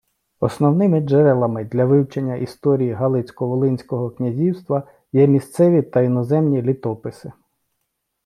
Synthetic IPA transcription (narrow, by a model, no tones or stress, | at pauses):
ɔsnɔwnɪmɪd͡ʒɛɾɛlˠɐmɪd̪lʲɐʋɪwt͡ʃenʲːɐʔist̪ɔɾʲijiɦɑlˠɪt͡sʲkɔʋɔlˠɪnʲsʲkɔɦɔknʲɐzʲiwst̪ʋɐ | jɛmʲist̪sɛʋʲit̪ɐinɔzɛmnʲilʲit̪ɔpɪsɪ